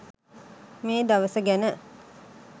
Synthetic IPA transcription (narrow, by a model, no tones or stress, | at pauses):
meːd̪aʋəsəɡænə